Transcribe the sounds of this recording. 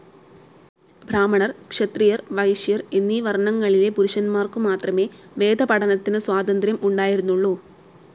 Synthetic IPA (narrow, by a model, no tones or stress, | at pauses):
bʱɾaːmɐɳɐrkʂɐt̪rijɐrʋɐjʂijɐrenːiʋɐrɳɐŋːɐɭile̞puɾuʂɐnmaːrkumaːt̪rɐme̞ːʋe̞ːd̪ʱɐpɐɽɐnɐt̪ːinɨswaːd̪ɐnd̪ɾjɐmuɳɖaːjiɾunːuɭːu